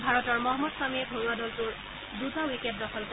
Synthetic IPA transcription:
bʱaɹɔtɔɹmɔɦɔmːɔdswamiɛbʱoɹuadɔltʊɹ | dutawikɛp̚dɔxʰɔlk

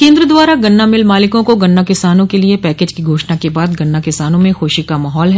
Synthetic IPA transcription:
kẽːnd̪ɾəd̪waːɾaɡɐnːamɪlmaːlɪkõkoɡɐnːakɪsaːnõkeliepɛːkeːd͡ʒkiɡʱoːʃnakebaːd̪ɡɐnːakɪsaːnõmẽxoːʃikamaːɦɔːlɦɛː

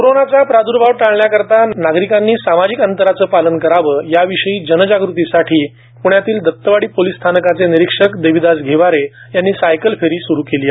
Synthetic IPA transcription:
koɾonat͡sapɾad̪uɾbʱawʈaɭɳjakəɾt̪anaɡɾikanːiːsamad͡ʑikənt̪əɾat͡səːpalənkəɾaʋəːjaʋiʂəiːd͡ʑənəd͡ʑaɡɾut̪isaʈʰiː | puɳjat̪iːld̪ʱək̚t̪ːəʋaɽiːpolist̪ʰanəkat͡seniɾikʂəkd̪əjʋid̪asɡʱeʋaɾe | janːiːsajkəlfeɾiːsuɾuːkelia

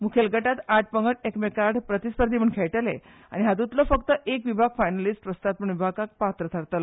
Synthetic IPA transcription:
mukʰelɡəʈat̪aʈ̚pəŋɡəʈ̚ekmekaɾɖpɾət̪ispəɾd̪ʱiməɳkʰeɭʈəlḛ | a̰ñiɦat̪ut̪ləfəkt̪əʔekʋibʱaɡ̚fajnalisʈʋəst̪at̪̚pəɳʋibʱakak̚pat̪ɾət̪ʰaɾt̪ələ

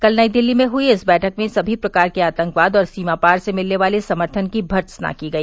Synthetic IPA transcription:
kɐlnaːid̪ɪlːimẽɦʊiɪsbɛːʈʰəkmẽsɐbʱipɾɐkaːɾkeaːt̪ə̃ŋkʋaːd̪ɔːɾsiːmapaːɾsemɪlneʋaːlesɐməɾt̪ʰənkibʱɐɾt̪sna̰kiɡɐiː

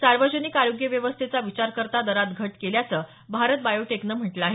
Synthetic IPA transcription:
saɾʋəd͡ʑənikaɾoɡjəʋjəʋəst̪ʰet͡saʋit͡ɕaɾkəɾt̪ad̪əɾat̪ɡʱəʈkeljat͡səː | bʱaɾət̪̚bajoʈeknəm̤əʈləaɦe

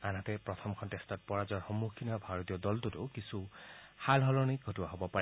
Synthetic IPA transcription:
anatɛpɹɔtʰɔmkʰɔntɛstɔt̚pɔɹazɔɹxɔmːukʰːinabʱaɹɔtijɔdɔltʊtʊkisuhalɦɔlɔniɡʱɔtuwaɦɔbɔpaɹɛ

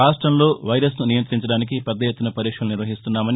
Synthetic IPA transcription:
aːsʈɾɐmlo̞ːʋɐjɾɐsnunijɐnt̪ɾiɲt͡ʃɐɽaːnik̬ipɛd̪ːɐjet̪ːunɐpɐɾiːkʂɐluniɾʋɐɦist̪unːaːmɐni

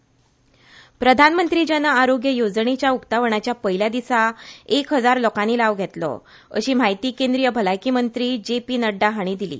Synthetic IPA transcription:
pɾəd̪ʱanmənt̪ɾiːd͡ʑənəaɾoɡjəjod͡zɳet͡ɕjaukt̪aʋəɳ̃at͡ɕjapəɦiljad̪isaekɦəd͡zaɾlɔkaniːlaʋɡʱet̪lɔ̰ | ə̰ɕiːm̤ajt̪iːkend̪ɾijəbʱəlajkiːmənt̪ɾiːd͡ʑepiːnəɖːaɦaɽ̃iːd̪ilḭː

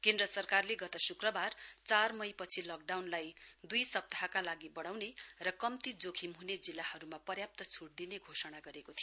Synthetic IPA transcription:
kend̪rʌsʌrkarleɡʌt̪ʌsukrʌbart͡sarmʌjpʌt͡sʰilʌk̚ɖawnlajd̪ujsʌp̚t̪aɦakalaɡibʌɽ̃awnerʌkʌmt̪id͡zokʰimɦuned͡zilːahʌɾumapʌrjap̚t̪ʌt͡sʰuɽ̚d̪ineɡʱosʌɽ̃aɡʌɾekot̪ʰijo

